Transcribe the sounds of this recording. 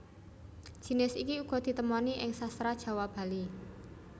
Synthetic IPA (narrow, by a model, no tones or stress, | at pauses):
d̥ʒ̥i̤nɪsikiuɡ̥ɔ̤d̪̥i̤t̪əmɔniʔɪŋsast̪ɾad̥ʒ̥a̤wab̥a̤li